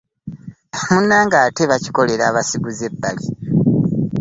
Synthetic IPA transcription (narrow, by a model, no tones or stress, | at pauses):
munːaːŋɡaːteβaci̥ko̞le̞ɾaːβasiɡuze̞bːali